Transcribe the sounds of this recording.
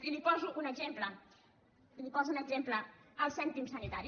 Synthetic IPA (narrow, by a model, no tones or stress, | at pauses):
ilipɔzuʔunəɡzemplə | ilipɔzunəɡzempləəlˠsɛnt̪imsənit̪aɾi